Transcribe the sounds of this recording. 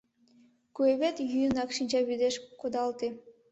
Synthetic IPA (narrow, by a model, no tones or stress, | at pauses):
kueβʲet̪ʲjyjnɑkʃinʲd͡ʑɑβyd̪eʃkod̪ɑlˠt̪ʲi